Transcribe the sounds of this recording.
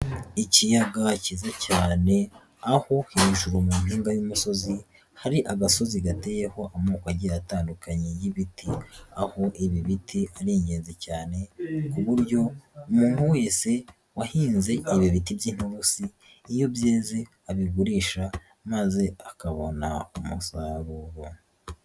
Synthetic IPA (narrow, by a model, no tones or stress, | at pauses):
icijaɡacizacaːne̞ | aho̞hiiʒuɾumumiːŋɡajumuso̞zi | haɾiʔaɡaso̞ziɡate̞ːje̞ho̞ʔamukwaɟiataːndukaɲejiβitʰiaho̞ʔiβiβitiaɾiːɲɟeːnze̞caːne̞kuβuɾɟo̞umuːn̥huwe̞ːse̞ | wahiːnze̞iβiβitibɟiːn̥huɾusiː | jo̞bjeːze | aβiɡuɾiːʃa | maze̞akaβo̞naumṵsaːβuɾo